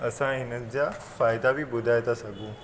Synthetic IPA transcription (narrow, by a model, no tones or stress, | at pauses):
əsãɦinəd͡ʑjafajd̪aʋiːbud̪ʱajt̪asaɡũː